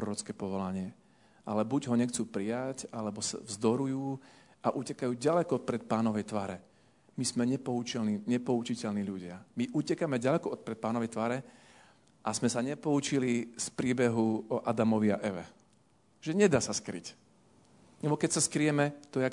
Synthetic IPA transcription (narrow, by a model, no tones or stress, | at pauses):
ɾɔɾɔt͡skɛːpɔʋɔlaɲɪɛ | a̰lɛbuɟɦɔɲɛxt͡suːpɾijacalɛbɔsa̰vzd̪ɔɾujuː | ʔaʔucɛkajuːɟalɛkɔɔt̪̚pɾɛt̪̚paːnɔʋɛjt̪ʋaːɾɛ | mizmɛɲɛpɔut͡ʃɛlniːɲɛpɔut͡ʃicɛʎniːʎuɟɪamiʔucɛkamɛɟalɛkɔɔt̪̚pɾɛt̪̚paːnɔʋɛjt̪ʋaːɾɛ | ʔazmɛsaɲɛpɔut͡ʃilispɾiːbɛɦuɔʔad̪amɔʋiaʔɛʋɛ̰ | ʒ̥ɛɲɛd̪aːsaskɾḭc | nɛbɔkɛcsaskɾijɛmɛt̪ɔjɛak